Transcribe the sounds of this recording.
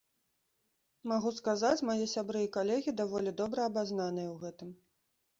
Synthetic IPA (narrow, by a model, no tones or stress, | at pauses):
maɣuskazat͡sʲmajɛsʲabɾɨjɐkalʲɛɣʲid̪avɔlʲid̪ɔbɾɐɐbaznanɨjɐwɣɛt̪ɨm